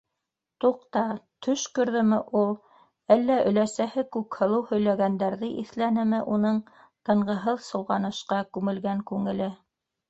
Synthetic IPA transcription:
t̪uq̚t̪ɑt̪ʰɵʃkɵ̆ɾðɘ̆mɘʔulˠ | ælːæʔɵ̆læsæhɘkʉkhɤ̆lˠɤwhɵ̆jlæɡænd̪æɾðɘʔiθlænɘ̆mɘʔunɤɴ | t̪ɤ̆ɴɢɤ̆ɦɤðsɤ̆w̪ˠʁɑnɤ̆ʃqɑkʉŋɘ̆lɡæŋkʉŋɘ̆lɘ

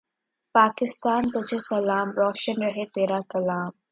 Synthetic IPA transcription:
paːkɪst̪aːnt̪ʊd͡ʒʰesɐlaːmɾɔːʃənɾɐɦet̪eːɾakɐlaːm

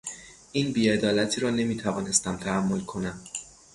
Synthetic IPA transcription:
ʔiːnbiːe̞d̪ɒːlæt̪ʰiːɾɒːne̞miːt̪ʰævɒːne̞st̪æmt̪ʰæhæmːo̞lkʰo̞næm

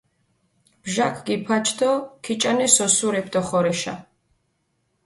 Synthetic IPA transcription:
b̥ʒakʰɡipʰat͡ʃʰd̪ɔkʰit͡ʃʼanɛsɔsuɾɛpʰd̪ʼɔχɔɾɛʃa̰

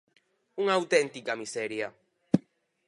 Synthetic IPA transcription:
uŋawt̪ent̪ikamiseɾja

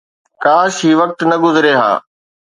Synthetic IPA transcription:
kaːʃɦiːʋɐk̚t̪nɐɡʊzɪɾeːɦa̰ː

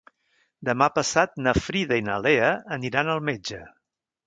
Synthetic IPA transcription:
d̪əmapəsat̪̚nəfɾiðəinəleəːniɾanəlˠmed͡ʒə

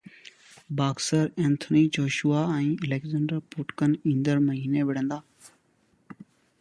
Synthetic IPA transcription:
baːksəɾɛ̃ːnt̪ʰəniːd͡ʒoːʃʊaːɛ̃ːəleːkzəɳɖəɾpʊʈkənĩːnd̪əɾməɦiːneːʋɪɽ̤ə̃nd̪aː

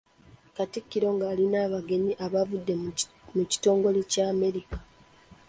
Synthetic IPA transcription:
katikːiɾo̞ŋɡaːlinaːβaɡe̞ɲiʔaβavudːemuci̥to̞ːŋɡo̞licaːme̞ɾikḁ

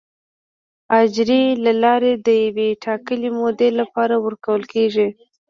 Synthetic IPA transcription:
ɑd͡ʒɾelalɑɾed̪əjaweʈʰɑkəlemod̪elapɑɾawəɾkawəlkeʒi

